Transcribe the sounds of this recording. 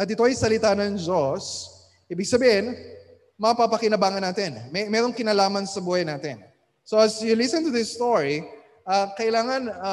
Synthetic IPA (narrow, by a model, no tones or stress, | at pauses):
ʔɐt̪̚ɪt̪o̞ɐjsɐlɪt̪anɐŋd͡ʒos | ʔiːbɪɡ̚sɐbihɪn | mɐapapɐkɪnɐbaːŋɐnːaːt̪ɛnmɛmɛɾoŋkɪnaːlaːmɐnsɐbuːhɐjnaːt̪ɛn | soʔɐsjʊlɪsɛ̃nt̪ʊðɪsːt̪oɹi | ʔɐkɐʔɪlaːŋɐnɐ